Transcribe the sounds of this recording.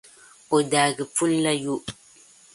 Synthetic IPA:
o˨daː˨ɡɪ˨pu˦lːa˦ju˦

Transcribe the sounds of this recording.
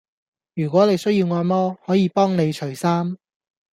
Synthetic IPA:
jyː˨˩kʷɔː˨˥ne˨˧jsɵ˥ɥjiː˧wŋɔː˧mɔː˥hɔː˨˥jiː˨˧pɔː˥ŋne˨˧jt͡ʃʰɵ˨˩ɥsaː˥m

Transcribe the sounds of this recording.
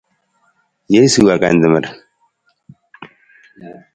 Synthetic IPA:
je˦su˨wa˨ka̰˨nd̪ə˨mə˨ɾ

